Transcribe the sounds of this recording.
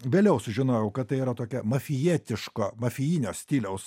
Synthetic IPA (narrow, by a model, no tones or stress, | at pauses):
ʋʲeːlʲɛʊsʊʒʲɪnoːjɛʊkɐt̪̚t̪ːɐɪiːɾɐt̪oːkʲɛmɐfʲɪjiːt̪ʲɪʃkoːmɐfʲɪjiːnʲoːsʲt̪ʲiːlʲɛʊs